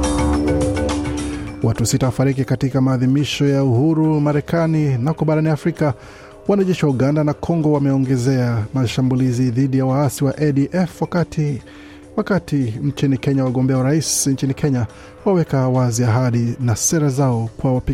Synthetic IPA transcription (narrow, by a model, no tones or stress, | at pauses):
wʔatusitawafaɾik̬ikatikamaːðimiʃɔjauhuɾumaɾɛkʰaninakɔɓaɾaniafɾika | wanaʄɛʃiwauɠandanakʰɔŋɡɔwamɛɔŋɡɛzɛamaʃambuliziðiɗijawaasiwaʔɛɗiʔɛfwakati | wakatiɲt͡ʃinikɛɲawaɠɔmbɛauɾaisɲt͡ʃinikʰɛɲa | wawɛkawaziaɦaɗinasɛɾazaɔkwawapi